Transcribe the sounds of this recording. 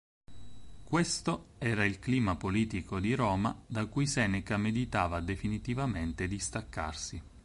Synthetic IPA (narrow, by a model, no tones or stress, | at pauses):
kwest̪oɛːɾailkliːmapoliːt̪ikod̪iɾɔːmad̪akujsɛːnɛkamed̪it̪aːvad̪efinit̪ivament̪ed̪ist̪akːa̰rsi